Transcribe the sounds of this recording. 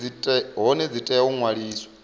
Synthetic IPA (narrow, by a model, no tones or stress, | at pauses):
itʼɛɦɔnɛd͡zitʼɛuŋwaɺiːsɔ̥